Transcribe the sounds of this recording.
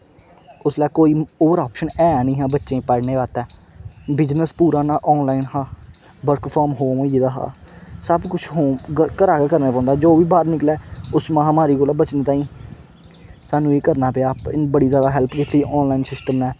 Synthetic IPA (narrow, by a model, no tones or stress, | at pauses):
ʊslɛːkoːiːoːʋəɾaːpʃənɛːnĩːɦãːbətːʃẽːpɛːɽneːʋaːt̪ɛː | bɪd͡ʒnəspuːɾaːnaːʔɔːnlaːiːnɦãː | bəɾkpʰaːɾmɦoːmə̃ːiːd̪aːɦa̰ːsəbkʊt͡ʃʰɦoːkəɾaːɡaːkəɾneːpɔ̃ːnd̪aːd͡ʒoːʋiːbaːd̪nɪklɛːʊsmaãːmaːɾiːkoːlaːbət͡ʃnẽːt̪ãːĩː | saːnũːeːkəɾnaːpɪaːpbəɽiːzjaːd̪aːɦɛlpkɪt̪ʰːiːɔːnlaːinsɪsʈəmnɛː